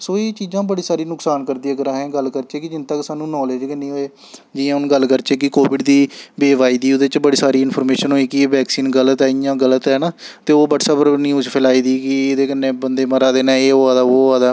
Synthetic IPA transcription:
soːeːt͡ʃiːzãːbəɽiːsaːɾiːnʊksaːnkəɾd̪iaːɡəɾãːɦɛ̃ːɡəlkəɾt͡ʃeːkɪd͡ʒɪnt̪əksaːnũːnɔːleːd͡ʒkəniːɦoːeː | d͡ʒɪãːʊnɡəlkəɾt͡ʃeːkɪkoːʋɪɖd̪iːbeːʋaːiːd̪iːod̪et͡ʃbəɽiːsaːɾiːɪnpʰəːɾmeːʃənɦoːiːkɪːʋɛːksiːnɡələt̪ɦɛːɪjãːɡələt̪ɦɛːnaːt̪eːoːbəʈsəbɾnĩːʊt͡ʃpʰɛːlaːiːd̪iːkɪed̪eːkəneːbənd̪eːməɾaːd̪eːnɛ̃ːeːoaːd̪aːoːaːd̪aː

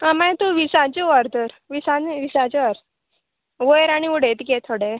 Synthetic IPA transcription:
amãt̪uʋisat͡ɕeʋaɾd̪əɾ | ʋisãnʋisat͡ɕeʋaɾ | ʋojɾaɽ̃iuɽet̪ket̪ʰoɽe

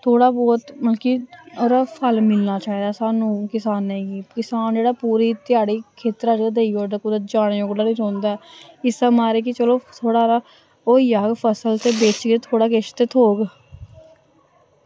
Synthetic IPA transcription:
t̪ʰoːɽaːbɔːt̪məlkiːoːɾːpʰəlmɪlnaːt͡ʃaːiːd̪aːsaːnũːkɪsaːnɛːɡiːkɪsaːnd͡ʒeːɽaːpuːɾiːt̪ɪjaːɽiːkʰeːt̪ɾaːd͡ʒeːaːd̪eːioːd̪aːkʊd̪ət̪d͡ʒaːɽ̃eːjoːɡd̪aːnĩːɾõːnd̪aːɛːɪsəmaːɾeːk̬it͡ʃəloːt̪ʰoːɽaːɾaː | oːijaːɡpʰəsəlt̪eːbeːt͡ʃɡet̪ʰoːɽaːkeʃt̪eːt̪ʰoːɡ

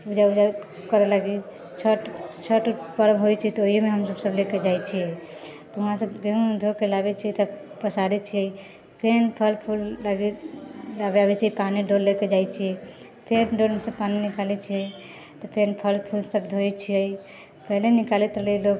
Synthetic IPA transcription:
ud͡ʒaud͡ʒa | kəɾɛlaɡi | t͡ʃʰəʈt͡ʃʰəʈupəɾəbɦojt͡ʃʰiɛt̪ɔoɦiemeɦəmsəbsəbleked͡ʒajt͡ʃʰijɛt̪ɔuɦãsəbɡeɦued̪ʱokelabɛt͡ʃʰiɛt̪a | pəsad̪it͡ʃʰiɛ | pʰenpʰəlpʰulːaɡilabeabɛt͡ʃʰiɛpaniɖolːeked͡ʒajt͡ʃʰiɛ | pʰenɖolmesəbpaninikalɛt͡ʃʰiəj | t̪ɔpʰenpʰəlpʰulsəbd̪ʱoɛt͡ʃʰiəi | pəɦlenikalɛt̪ɾəlilok

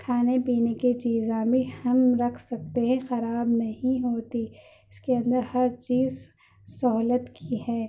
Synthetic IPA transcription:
kʰaːnepiːnekit͡ʃiːzãːbʱihɐmɾɐkʰsɐk̚t̪eɦɛ̃xɐɾaːbnɐɦĩɦoːt̪i | ɪskeɐ̃nd̪əɾhɐɾt͡ʃiːz | sɐɦlət̪kiiɦɛː

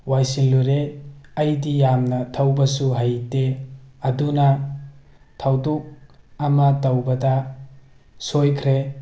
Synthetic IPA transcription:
wajsiŋluɾeɐjdijamnɐtʰawbɐsuɦajdeɐdunɐ | tʰawduk̚ɐmɐtɐwbɐdɐ | sojkʰɾe

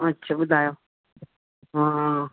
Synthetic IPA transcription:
ɐtːʃʰaɓʊd̪ʱaːjoː | ɦã

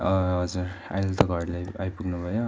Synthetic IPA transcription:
ʌɦʌd͡zura̰jlt̪ʌɡʱʌɽlaajpuɡnubʱʌjo

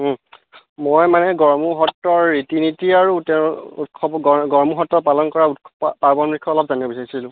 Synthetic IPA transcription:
mojmanɛɡɔɹmuɦɔtːɔɹːitinitiaɹutɛutkʰɔbɡɔɡɔɹmuɦɔtːɔpalɔnkɔɹautpaɹbɔnbɹikʰːɔɔlɔp̚zanibɔbisaɹisilʊ̃

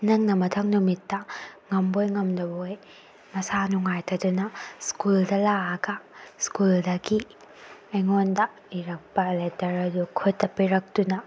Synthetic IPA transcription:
nɐŋnɐmɐtʰɐŋnumitːɐŋɐmbojŋɐmdɐboj | mɐsanuŋajtʰɐdunɐskuldɐlaɐɡɐskuldɐɡi | ɐjŋondɐ | iɾɐk̚pɐletɐɾɐdukʰutːɐpiɾɐk̚tunɐ

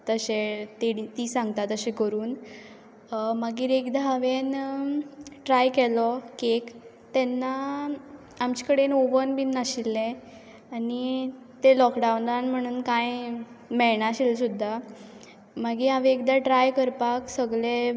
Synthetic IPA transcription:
t̪əɕet̪eɽit̪iːsãŋɡ̚t̪at̪əɕẽkəɾuːn | maɡiːɾekd̪aaʋen | ʈɾajkɛlɔkek | t̪ɛnːa | amt͡ɕikəɽenoʋənbinːaɕilːẽ | ani | t̪elɔkɖaunlanm̤əɽ̃uːnkaj | mɛɭɳaɕilsud̪ʱːa | maɡiːaʋeekd̪aʈɾajkəɾpaksəɡɭe

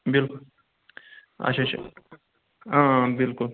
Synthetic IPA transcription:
bɪlkʊl | ɐ̰t͡ʃʰat͡ʃʰ | ãbɪlkʊl

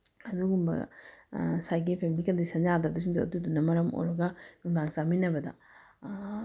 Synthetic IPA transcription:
ɐduɡumbɐ̰ | sajɡipʰemilikɐndisɐnjadɐdus̬iŋduɐ̰dudunːɐmɐɾɐmo̰ɾɐɡɐnuŋdaŋsaminɐbɐdɐ̰

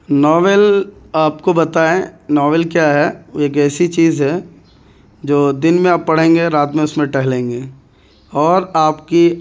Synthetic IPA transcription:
nɔːʋɛlaːp̚kobɐt̪aːẽnɔːʋɛlkjaɦɛeːkɛːsit͡ʃiːzɦɛ | d͡ʒoːd̪ɪnmẽaːpːɐɽ̤ẽːŋɡeɾaːt̪mẽʊsmẽʈɛɦlẽːŋɡeː | ɔːɾaːpki

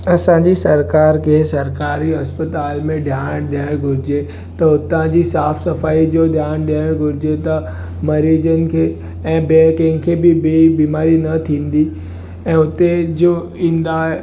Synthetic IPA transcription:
ɐsãɲd͡ʑisɐɾkaːɾkʰeːsɐɾkaːɾiɐspət̪aːlmẽɗʱjaːɽ̃ɗɪjaːɪɽ̃ɡʱʊɾɪd͡ʑe | t̪ɐʊt̪ãd͡ʑiːsaːfsɐfaːid͡ʑoːd̪ʱjaːñɗijaːɪɽ̃ɡʱʊɾɪd͡ʑet̪ɐ | mɐɾiːd͡ʑənɪ̆kʰeː | ɛ̃ːbeːkə̃ɦɪ̃ŋkʰeːbɪbibiːmaːɾinɐt̪ʰĩːn̆d̪i | ɛ̃ːʊt̪ed͡ʑoː | ĩːnd̪aːɦ

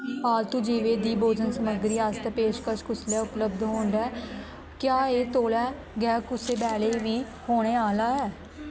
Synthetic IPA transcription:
paːlt̪uːd͡ʒiːʋeːd̪iːboːd͡ʒənsəməɡɾiːaːst̪ːpeːʃkəʃkʊsljaːʊpləbd̪ɦoːɳɖ̪ɛː | kjaːeːt̪oːlɛː | ɡɛːkʊseːbɛːleːʋiː | hoːɽ̃eːaːlaːɦɛː

